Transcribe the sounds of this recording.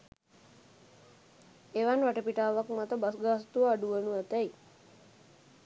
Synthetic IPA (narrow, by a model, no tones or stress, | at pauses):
eʋanʋaʈəpiʈaːʋakmat̪əbasɡast̪uəaɖuʋənuæt̪æj